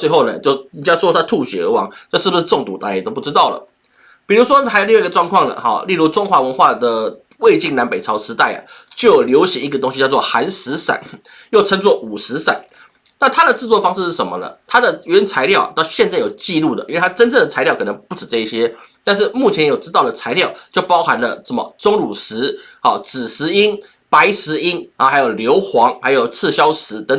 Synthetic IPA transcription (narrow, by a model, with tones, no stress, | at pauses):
t͡swe˥˧ɪxo˥˩ʊnə̰˩t͡ɕo˥˩ʊi˨˩t͡ɕja˥ʂwɔ˥˧a˥t̪ʰu˥˩ɕɥɛ̰˨˥ə̰˧˥wɑ˧˥˦ŋʈ͡ʂɤ˥˧ʂɻ̩˥˩bu˩ʂɻ̩˥˧ʈ͡ʂʊ˥˩ŋt̪u˨˩t̪a˧˥˨t̪o˥ʊp̬u˥˩ʈ͡ʂɻ̩˥t̪ɑ˥˩ʊlə̰˩ | pi˨˩ɻu˧˥ʂ̬wɔ˥xa˧˥ɪjli˥˧˥ɡə˧ʈ͡ʂwɑ˥˧ŋkʰwɑ˥˩ŋlə̰˩xɔ̰˨˩li˥˧lu˥˧ʈ͡ʂʊ˥ŋxwa˧˥wə˧˥nxwa˥˧d̪ə˩ | we˥˧ɪt͡ɕi˥˩ŋna˧˦˥npe˨˩ɪt͡sʰɑ˧˥ʊʂɻ̩˧˥t̪a˥˩ɪə̰˩t͡ɕjo˥˩ʊljo˧˥ʊɕjɛ˧˥i˧˥ɡə˩t̪oʊ˥ŋɕi˧˥t͡ɕɑ˥˧ʊt͡swɔ˥˧˩xa˧˥nʂɻ̩˧˥sa̰˨˩˦n | jo˥˩ʊʈ͡ʂʰə˥ŋt͡swɔ˥˩ʔu˨˩ʂɻ̩˧˥sa̰˨˩˦n | na˥˩nt̪ʰa˥d̪ə˨t͡sɹ̩˥˧t͡swɔ˥˩əfɑ˥ŋʂɻ̩˥˧ʂɻ̩˥˩ʂə˧˥mə̰˧nə̰˩t̪ʰa˥d̪ə˨y˥ə˥nt͡sʰa˧˥ɪljɑ˥˨ʊt̪ɑ˥˧ʊɕjɛ˥˧nt͡sa˥˩ɪjo˨˩ʊt͡ɕi˥˧lu˥˩d̪ə˩ʔi˥we˥˧˩a˥ʈ͡ʂə˥nt͡sɤ˥˩ŋd̪ə˩t͡sʰa˧ɪljkʰɤ˨˩nə˧˦ŋpu˥˩ʈ͡ʂɻ̩˨˩ʈ͡ʂɤ˥˧i˥˩ɕjɛ˥t̪a˥˧nʂ̬ɻ̩˥˧˩mu˥˩t͡ɕʰjɛ˧˥njo˨˩ʊʈ͡ʂɻ̩˥t̪ɑ˥˩ʊd̪ə˩t͡sʰa˧˥ɪljɑ˥˩ʊt͡ɕjo˥˩ʊpɑ˥ʊxa˧˦nlə˧ʂə˥˩mə̰˨˩t͡sʊ˥ŋlu˨˩ʂɻ̩˧˥ | ɔ˨˩t͡sɹ̩˨˩ʂɻ̩˧˥i˥n | pa˧˥ɪʂɻ̩˧˥i˥n˩xa˧˥ɪjo˨˩ʊljo˧˥ʊxwɑ˧˥ŋha̰˧˥ɪjo˨˩ʊt͡s̩ʰ˥˧ɕjɑ˥ʊʂɻ̩˧˥t̪ə˧˥ŋ